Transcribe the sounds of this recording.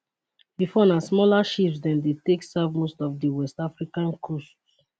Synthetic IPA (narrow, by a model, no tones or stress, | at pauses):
bifɔnasmɔlaʃipsdɛ̃ndeteksavmostɔvdiwɛstafɹikãnkʰost